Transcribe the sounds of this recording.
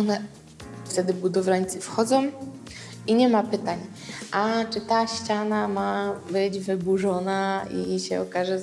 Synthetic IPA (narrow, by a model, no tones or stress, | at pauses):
ɔnɛ | ft̪ɛd̪ɘbud̪ɔvlaɲt̪sɘfxɔd̪zɔ̃w̃ | iɲɛmapɘt̪aɲ | ʔat͡ʂɘt̪aɕt͡ɕanamabɘd͡ʑvɘbuʐɔnaḭɕɛɔkaʐɛ